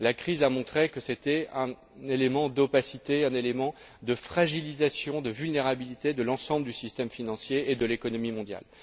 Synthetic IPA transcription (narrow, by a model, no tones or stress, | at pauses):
lakχizamɔ̃t̪χekəset̪ɛɛ̃ | nelemɑ̃d̪opasit̪eɛ̃nelemɑ̃ | d̪əfχaʒilizasjɔ̃d̪əvylneʁabilit̪ed̪əlɑ̃sɑ̃bləd̪ysist̪ɛmfinɑ̃sjeːd̪əlekɔnɔmimɔ̃d̪ja̰l